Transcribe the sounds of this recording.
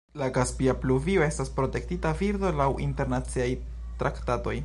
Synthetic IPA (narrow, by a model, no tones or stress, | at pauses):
laɡaspiapluvio̞e̞staspɾo̞te̞k̚titaviɾdo̞lawʔḭnte̞ɾnat͡siaj | tɾaktato̞j